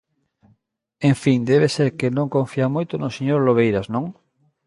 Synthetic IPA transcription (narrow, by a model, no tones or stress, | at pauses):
ẽɱfiŋd̪ɛβ̞eseɾkenõŋkõɱfiamojt̪onoseɲoɾloβ̞ejɾaznõŋ